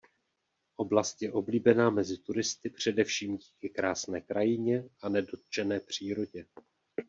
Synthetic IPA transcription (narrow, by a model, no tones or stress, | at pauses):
ʔo̞blast̪jɛʔo̞bliːbɛnaːmɛzɪt̪uɾɪst̪ɪpr̝̥ɛdɛfʃiːmɟiːkɪkɾaːsnɛːkɾajɪɲɛʔanɛdo̞t̪̚t͡ʃɛnɛːpr̝̥iːɾo̞ɟɛ